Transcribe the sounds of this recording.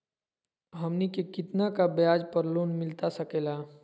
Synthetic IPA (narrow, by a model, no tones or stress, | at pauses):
ɦɐmnikekɪt̪nakabjaːd͡ʒpəɾloːnmɪlt̪asɐkeːlaː